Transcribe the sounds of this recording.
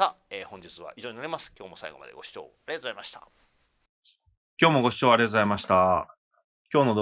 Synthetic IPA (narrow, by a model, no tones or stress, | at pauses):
aeːhõɲ̟d͡ʑit͡sɨβa̰ʔiʑoːɲinaɾʲimasɨ̥kʲo̞ːmo̞saḭɡo̞ma̰d̪e̞̰ɡo̞ɕi̥t͡ɕo̞̰ːaɾiat̪ozaimaɕi̥t̪a̰ | kʲo̞ːmo̞ɡo̞ɕi̥t͡ɕo̞ːaɾʲet̪ozaimaɕi̥t̪a | kʲo̞ːno̞d̪